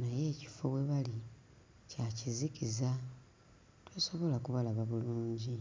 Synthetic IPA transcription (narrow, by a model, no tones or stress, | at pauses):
naje̞ːci̥fo̞βwe̞βali | cacizikiza | twoso̞βo̞lakuβalaβaβuluːɲɟi